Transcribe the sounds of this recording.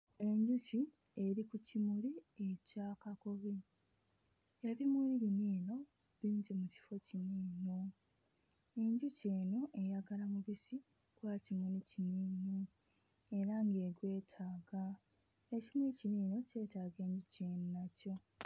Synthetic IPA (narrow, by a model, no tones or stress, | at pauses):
e̞ɲɟuci | e̞ɾikucimulie̞caːkako̞βi | jaβimuliɾiniːno̞ | βiːɲd͡ʒemuci̥fo̞ciniːno | eɲɟuce̞ːnoʔe̞jaɡalamuβisi | kwacimuliciniːno | e̞ɾaŋɡe̞ːɡwe̞ːtʰaːɡa | ecimuliciniːno̞ce̞ːtaːɡe̞ːɲɟuce̞ːnonaco̞